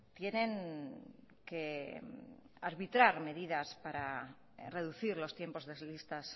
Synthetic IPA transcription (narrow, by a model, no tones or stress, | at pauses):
t̪je̞ne̞ŋ | ke | aɾβit̪ɾaɾme̞ð̞ið̞aspaɾa | re̞ð̞uθiɾlo̞st̪je̞mpo̞zðezlist̪as